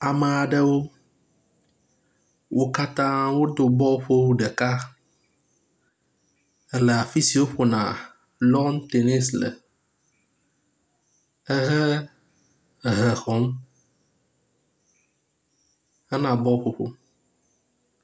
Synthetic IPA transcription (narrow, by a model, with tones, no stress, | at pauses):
a˨mə˨a˨ɖə˦wo˦ | wʔo˨ka˦t̪ã˦wo˦d̪o˨bɔ˦ɸo˦wɖɛ˨ka˦ | ɛ˦le˨a˨fi˦si˨wo˦ɸo˨nã̰˨ | lɔ˦nt̪e˨ne˦slə̰˨ | ɛ˦ɦɛ˦ | ɦɛ˨xɔ̃˨˦m | ɛ˦nã˨bɔ˦ɸo˦ɸo̰˦